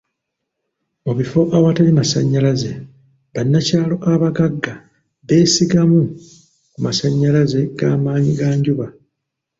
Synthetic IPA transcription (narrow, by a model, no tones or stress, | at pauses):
muβifo̞ʔawatalimasaɲːalaze̞ | βanːacaːlo̞ʔaβaɡaɡːa | βe̞ːsiɡamu | kumasaɲːalaze̞ɡ̥aːmaːɲiɡaːɲɟuβa